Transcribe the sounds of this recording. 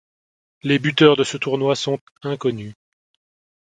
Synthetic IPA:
lebyt̪œʁd̪əsət̪uʁnwasɔ̃t̪ | ɛ̃kɔny

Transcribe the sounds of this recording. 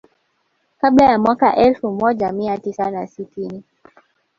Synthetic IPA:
kaɓlajamwakaʔɛlfumɔʄamiatisanasitini

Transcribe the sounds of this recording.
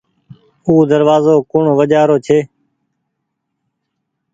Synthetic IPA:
uːd̪əɾʋaːzoːkʊɳoʋəd͡ʒaːɾoːt͡ʃʰeː

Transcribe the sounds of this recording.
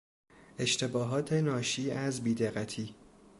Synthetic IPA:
e̞ʃt̪ʰe̞bɒːɦɒːt̪ʰe̞nɒːʃiːæzbiːd̪eɣæt̪ʰiː

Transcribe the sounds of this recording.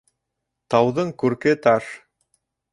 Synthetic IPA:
t̪ɑwðɤɴkʉɾkɘt̪ɑʃ

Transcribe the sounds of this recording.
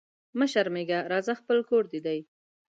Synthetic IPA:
məʃaɾmeɡaɾɑzaxpəlkoɾd̪id̪aj

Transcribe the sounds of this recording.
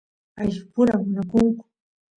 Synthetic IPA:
aʃɪpʊɾamʊnakʊŋkʊ̥

